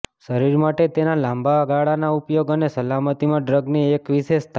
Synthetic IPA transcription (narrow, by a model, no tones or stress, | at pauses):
ʃəɾiɾmaʈet̪enalãmbʱaɡaɭanaupjoɡənesəlamət̪imãɖɾəɡniekʋiʃeʃt̪ʰ